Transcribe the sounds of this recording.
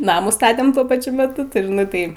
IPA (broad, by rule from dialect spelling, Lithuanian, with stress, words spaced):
ˈnɑːmuː ˈstɑːtʲɛm ˈtuɔ pɐˈt͡ʃʲʊ mʲɛˈtʊ nʊ ˈtɐɪ